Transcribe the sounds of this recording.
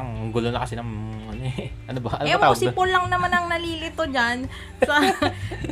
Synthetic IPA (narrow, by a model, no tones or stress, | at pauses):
ɐŋɡʊlonɐkɐsɪnɐŋɐnʔɐnobɐʔɐnoɛaɐsɡɪpolːɐŋnɐmanɐŋnɐliːlɪt̪ːod͡ʒan | sɐ